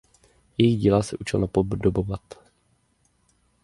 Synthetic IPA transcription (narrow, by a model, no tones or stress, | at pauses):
jɛjiɣɟiːlasɛʔut͡ʃɪ̰lnapobdobovat̪